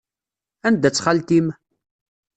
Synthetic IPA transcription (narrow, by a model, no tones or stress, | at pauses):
ænd̪ːæt͡sːχalt̪im